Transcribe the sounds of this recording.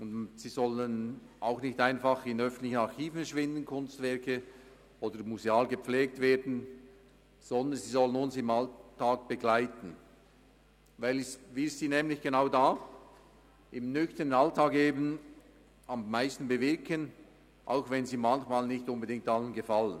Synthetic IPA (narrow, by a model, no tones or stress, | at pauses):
ʊndziːzɔlənaʊxnɪçtaɪnfɑχɪnœfən̩tlɪçənɑɾxiːfəʃvɪndən̩kʰʊnstvɛɐkə | ʔoːdəɾmuzeaːlɡəpp͡fleːk̚tv̥eːɐdn̩ | z̥ɔndənziːzɔlənʊnsɪmaltːaːk̚b̥əɡlaɪtn̩ | vaɪlsvɪssiːnɛːmlɪçɡ̥enaʊdaː | ʔɪmnʏçtəʁənaltaːkeːbən̩ | ɑmːaɪstn̩bəvɪɐkʰən | ʔa̰ʊxvɛnziːmançmaːlnɪçtʊnbədɪŋktalənɡəfalən